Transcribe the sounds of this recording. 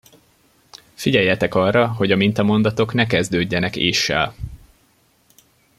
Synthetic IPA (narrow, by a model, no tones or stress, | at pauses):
fiɟɛjːɛt̪ɛkɒrːɒɦo̞ɟɒmint̪ɒmo̞nd̪ɒt̪o̞knɛkɛzd̪øːɟːɛnɛkḛːʃːɛ̰l